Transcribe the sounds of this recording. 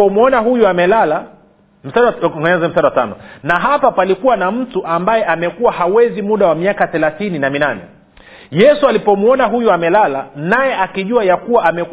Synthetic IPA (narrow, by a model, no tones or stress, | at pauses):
ɔmwɔnahujuamɛlala | m̩saɗɔŋɡɛɲɛzɛm̩saɗawata̰nɔnaɦapapalikuwanam̩tuʔambajɛʔamɛkuwahawɛzimuɗawamiakaθɛlaθininaminanɛ̰ | jɛsualipɔmwɔnaɦujuamɛlalanajɛʔakiʄuwajakuwaʔamɛ